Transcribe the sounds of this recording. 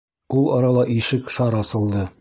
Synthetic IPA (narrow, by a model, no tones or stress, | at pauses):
ulˠɒɾɑlˠɑʔiʃɘkʃɒɾɒsɤ̆lˠd̪ɤ